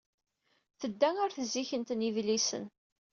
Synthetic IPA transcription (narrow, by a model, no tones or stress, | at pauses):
θəd̪ːæŋʊɾθəzːiçənt̪nivlisə̰n